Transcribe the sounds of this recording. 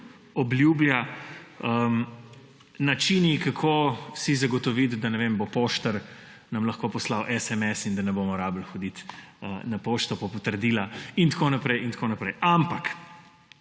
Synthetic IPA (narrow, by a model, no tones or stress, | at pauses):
ɔblʲjuːblja | ə | nat͡ʃinikakʰoːsizaɡɔt̪ɔʋit̪d̪anɛʋembopoːʃt̪əɾ | nɐmlɐxkoːpɔslawʔɛsɛmɛsind̪ɐnɛbomɔɾabəlxɔd̪it̪ənapoːʃt̪ɔpɔpɔt̪əɾd̪iːlaint̪koːnapɾɛjint̪konapɾɛjʔampak